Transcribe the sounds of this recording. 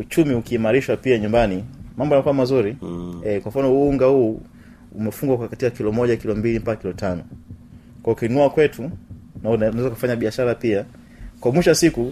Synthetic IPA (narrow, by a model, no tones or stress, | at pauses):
ut͡ʃumiukiːmaɾiʃwapiaɲumbanimambɔanakuamazuɾiɛkwaɱ̩fanɔuuuŋɡahuː | umɛfuŋɡwakakatiakilɔmɔʄakilɔmbilim̩pakakilɔtanɔ | kaɔukinuakwɛtunanwɛzakafaɲaɓiaʃaɾapia | kwamiʃwasiku